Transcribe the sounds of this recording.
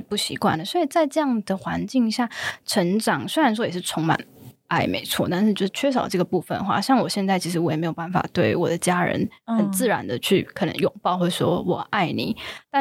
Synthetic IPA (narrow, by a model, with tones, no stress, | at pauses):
pu˥˩ɕḭ˧˥kwa̰˥˩nd̪ə˩swɔ˧˥i˨˩t͡sa˥˧ɪʈ͡ʂɤ˥˧jɑ˥˩ŋd̪ə˩xwa˧˥nt͡ɕi˥˧ŋɕja˥˩ʈ͡ʂʰə˧˥ŋʈ͡ʂɑ˨˩ŋswe˥ɪɻa˧˥nʂ̬wɔ˥jɛ˨˩ʂɻ̩˥˩t͡sʰʊ˧˥ŋma̰˨˩nʔa˥˩ɪmḛ˧˥ɪt͡sʰwɔ̰˥˧t̪a˥˧nʂɻ̩˥˧jo˥˧ʊʂ̩˥t͡ɕʰɥɛ˥ʂ̬ɑ˨˩ʊʈ͡ʂɤ˥˩ɡə˩pu˥˧fə̰˨nxwa̰˥˧˩ɕjɑ˥˩ŋwɔ˨˩ɕjɛ˥˧nt͡sa˥˩ɪt͡ɕʰi˧˥ʂ̬ɻ̩˧˥wɔ˧˩jme˧˥jo˨˩ba˥˩nfa̰˨˩t̪we˥˩ɪwɔ˨˩d̪ə˦t͡ɕja˥ɻə̰˧˥nhə˨˩nt͡sɹ̩˥˩ɻa̰˧˥nd̪ə˨t͡ɕʰy˥˩kʰɤ˨˩nə̰˧˦ŋjʊ˨˩ŋpɑ˥˧ʊxwɪʂwɔ˥wɔ˨˩ʔa˥˩ɪnḭ˨˩˦t̪a˥˧